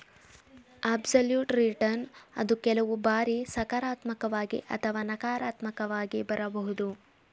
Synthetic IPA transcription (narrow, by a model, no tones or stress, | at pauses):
aːbsɐljuːʈɾiʈɐɾnɐ̰d̪ukɛlɐʋubaːɾisɐkaɾaːt̪mɐkɐʋaːɡḭʔɐ̰t̪ʰɐʋaːnɐkaːɾaːt̪mɐkɐʋaːɡibɐɾɐbɐɦud̪u